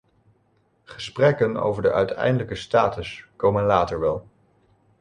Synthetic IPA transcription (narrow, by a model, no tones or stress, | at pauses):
χəsprɛkəno̰wvəɹdəʔœɥtʰɛ̰jndələkəstaːtəskowmənlaːtəɹʋɛlˠ